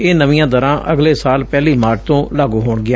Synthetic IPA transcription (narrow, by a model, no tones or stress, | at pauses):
eːnəʋɪjãːd̪əɾãːʔʔəɡleːsaːlpɛːliːmaːɾʈ̚t̪õːlaːɡuːɦoːɳɡɪaː